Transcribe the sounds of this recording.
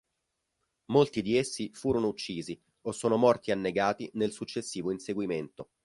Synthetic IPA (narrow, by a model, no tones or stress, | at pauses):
molt̪id̪iesːifuːɾonout͡ʃːiːzi | osːoːnomɔrt̪ianːeɡaːt̪inelsut͡ʃːesːiːvoinseɡwiment̪o